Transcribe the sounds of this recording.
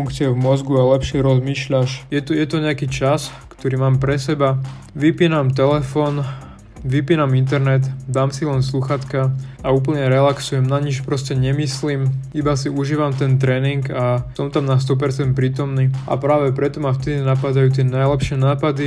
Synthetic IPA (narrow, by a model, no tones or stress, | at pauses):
uŋkt͡sɪɛvmɔzɡualɛpʃɛɾɔzmiːʃʎaʃjɛt̪ɔjɛt̪ɔɲɛakiːt͡ʃaskt̪ɔɾiːmaːmpɾɛsɛba | ʋipiːnamt̪ɛlɛfɔːn | ʋipiːnamint̪̬ɛɾnɛt̪d̪aːmsilɛnsluxat̪kaauːp̬l̩ɲɛɾɛlaksujɛmnaɲit͡ʃpɾɔscɛɲɛmislimibasiuʒiːʋamt̪ɛnt̪ɾɛːniŋɡasɔmt̪amnast̪ɔp̬ɛɾt͡sɛnt̪̚pɾiːt̪ɔmniːʔa̰pɾaːʋɛpɾɛt̪ɔmaft̪ɛd̪inapad̪ajuːt̪̬ɪɛnajlɛpʃɪɛnaːpad̪i